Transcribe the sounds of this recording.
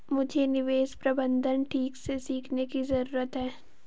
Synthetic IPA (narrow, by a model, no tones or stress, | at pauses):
mʊd͡ʒʱenɪʋeːspɾɐbə̃nd̪ʱənʈʰiːksesiːkʰnekizɐɾuːɾət̪ɦɛː